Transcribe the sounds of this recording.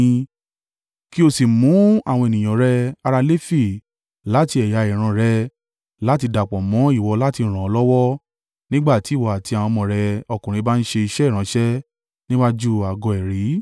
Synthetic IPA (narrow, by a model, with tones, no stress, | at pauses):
ki˦o˧si˨mũ˨˦a̰˦˨w̃ɔ̃˧e˨nĩ˨j̃ã˨ɾɛ˦a˧ɾa˧le˦fi˦˨ | la˨˦ti˧˦ɛ˨ja˧i˨ɾ̃ã˧ɾɛ˧˦ | la˦ti˧da˨k͡pɔ˨mɔ̃˨˦i˦˨wɔ˧la˦ti˧˦ɾ̃ã˨ɔ˧˦lɔ˦wɔ˦ | nĩ˦ɡ͡ba˦˨ti˨˦˨wɔ˧˨a˨ti˧a˨w̃ɔ̃˧mɔ̃˨ɾɛ˧ɔ˧kũ˨ɾ̃ĩ˧˦ba˦n̩˦ʃe˧i˧ʃɛ˦i˦˨ɾ̃ã˨˧˦ʃɛ˦ | nĩ˦wa˦d͡ʒu˦a˨ɡɔ˨ɛ˨ɾi˨˦